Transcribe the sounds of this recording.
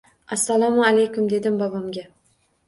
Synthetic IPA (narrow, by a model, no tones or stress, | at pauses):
asːalˠamʊalejkʊmd̪e̞d̪ɪmbabamɡʲa